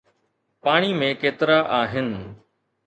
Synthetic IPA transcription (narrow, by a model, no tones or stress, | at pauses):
paːɽ̃iːmẽkeːt̪ɪɾaːʔaːɦɪn